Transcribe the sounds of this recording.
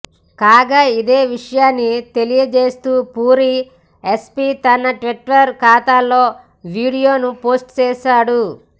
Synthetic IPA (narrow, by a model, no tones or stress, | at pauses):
kaːɡaːid̪e̞ːʋiʂɐjaːnːit̪e̞lijɐd͡ʒe̞ːst̪uːpuːɾi | espit̪ɐnɐʈʋiʈːɐɾkaːt̪aːlːo̞ː | ʋiːɽijo̞ːnupo̞ːsʈt͡ʃɛːʃaːɽu